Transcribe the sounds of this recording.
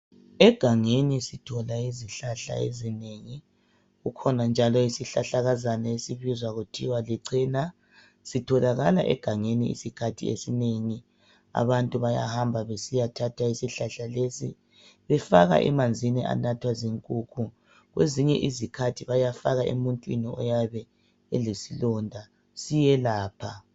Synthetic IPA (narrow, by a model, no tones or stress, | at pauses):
ɛɡ̥ʱaŋenisitʰɔlaiziɬaɬa̰ḛzineŋi | ɣukʰɔnand͡ʒʱalɔisiɬaɬaɣazanaesiβizwaɣutʰiwaliǀina | sitʰɔlaɣala̰ʔɛ̰ɡ̥ʱaŋeniḭsikʰatʰḭḛsineŋi | a̰βantʼuβaja̰hambʱaβesijatʰatʰwaisiɬaɬalesḭ | βɛfaɣa̰ʔɛ̰mand͡zʱiniʔa̰natʰwaziŋkʼuːkʰu | ɣweziɲɛʔizikʰatʰiβajafaɣaʔḛmuntʼwiniɔ̰jaβɛ | elisilɔndʱa | sijɛlaːpʰa